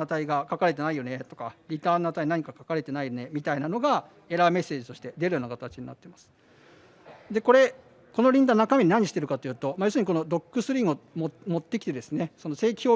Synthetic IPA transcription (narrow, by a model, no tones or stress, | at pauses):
at̪aiɡakakaɾe̞t̪e̞naijo̞ne̞t̪o̞̥kaɾʲit̪aːnoat̪ainaɲ̟ikakakaɾe̞t̪e̞naijone̞mʲit̪ainano̞ɡa | e̞ɾame̞sːe̞ːd͡ʑit̪o̞ɕi̥t̪e̞d̪e̞ɾɯ̟jo̞ːnakat̪at͡ɕiɲ̟ina̰t̪ːemasɨ̥ | d̪e̞ko̞ɾe̞ | ko̞no̞ɾʲĩnd̪anakamʲe̞ɲ̟inaɲːiɕi̥t̪e̞ɾɯ̟kat̪o̞jɯ̟ːt̪o̞majo̞s̬ɨɲ̟iko̞nod̪o̞kːɯsɨɾʲĩŋɯomomo̞t̪ːe̞kʲi̥t̪e̞d̪e̞sɨne̞so̞nose̞ːkʲʰo̞ː